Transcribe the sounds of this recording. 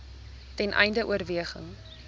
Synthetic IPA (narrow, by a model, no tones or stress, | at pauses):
tɛnʔɛ̰jndəʔṵəɾviəχə̰ŋ